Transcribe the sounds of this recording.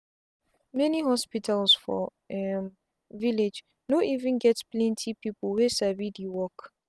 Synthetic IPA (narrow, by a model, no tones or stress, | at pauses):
mɛniɦɔspitalsfɔ̰ | ɛm | viled͡ʒ | noʔivɨ̃nɡɛtplɛ̃ntʰipiplwesavidiwɔk